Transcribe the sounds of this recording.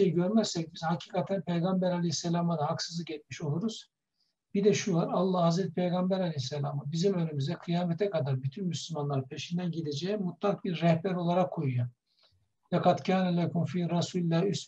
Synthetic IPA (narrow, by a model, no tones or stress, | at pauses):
ejɟøɾmæzsɛc̚bizhacʰi̥ːkʰat̪ʰænpʰejɡambæɾalʲehisːelʲaːmad̪ahaksɯzɯɟɛt̪ʲmiʃo̞lˠuɾuz̥ | bid̪ɛʃulˠaɾalˠːahazɾɛt̪i̥pʰejɡambæɾalʲehisːelʲaːmabizimø̞nymyzd̪ɛkʰɯjaːmet̪ʰɛkad̪aɾbyt̪ʰynmyslʲymanlˠaɾpʰe̞ʃind̪ænɟid̪ed͡ʒejimut̪lˠak̚biɾːɛhbæɾo̞lˠaɾakʰːojuja | vɛkat̪cʰaːnɛlʲɛkʰumfiɾasuːlilːæhys